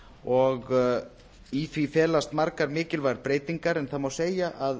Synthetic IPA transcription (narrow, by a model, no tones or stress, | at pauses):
ɔɣ | iθvifɛːlast̪maɾkaɾmɪːcɪlvaɾpɾeːjt̪iŋkaɾɛnθaðmawseːjaʔað